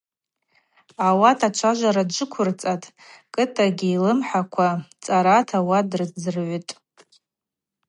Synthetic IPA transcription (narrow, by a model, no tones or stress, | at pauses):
awatʰat͡ʃʷʰaʒʷaɾadd͡ʒʷɨkʷʰʊrt͡sʼatʼ | kʼɨtʼaɡʲiilɨmħakʷʰat͡sʼaɾatʰawadrɨd͡zɨrʕʷʏtʼ